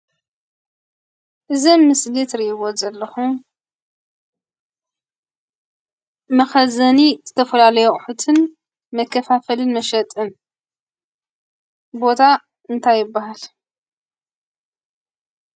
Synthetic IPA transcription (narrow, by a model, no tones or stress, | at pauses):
ʔɨzɐmmɨslit̪ɾiʔβo̞zɐlːɐxu | mɐxɐzɐnizɨt̪ʰɐfɐlalɐjuʔʼħut̪ʰɨn | mɐkʰːɐfafɐlɨnmɐʃɐt̪ʼɨn | bo̞t̪ʰa | ɨnt̪ʰajːɪbːaɦal